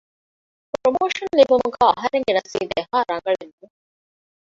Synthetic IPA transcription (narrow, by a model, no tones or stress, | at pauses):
pɾomoːʂɐnlibumuɡaːɐɦɐɾeŋɡenɐsḭːd̪eɦaːɾɐŋɡɐɭenːu